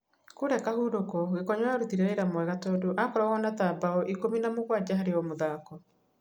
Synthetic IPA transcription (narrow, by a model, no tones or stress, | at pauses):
koɾɛkahuːɾokɔɣekɔɲaaɾutiɾeɾeɾamwɛɣatɔdoʔakɔɾɔɣɔnatabaɔʔikominamoɣwad͡ʑaɦaɾeɔmoðaːkɔ